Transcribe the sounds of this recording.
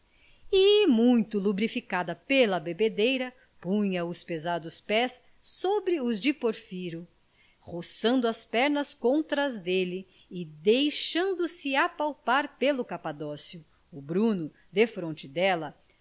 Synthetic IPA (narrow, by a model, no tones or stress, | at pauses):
ɪmũj̃t̪ʊlubɾifikad̪ɐpelɐbebed̪ejɾɐ | pũɲɐʊspezad̪ʊspɛsː | obɾɪʊzd͡ʒɪpoɾfiɾʊ | hosɐ̃nd̪ʊɐspɛɾnɐskõnt̪ɾɐzd̪elɪ | ɪd̪ejʃɐ̃nd̪ʊsɪapawpaɾpelʊkapad̪ɔsjʊː | bɾũnʊ | d̪efɾõnt͡ʃɪd̪ɛlɐ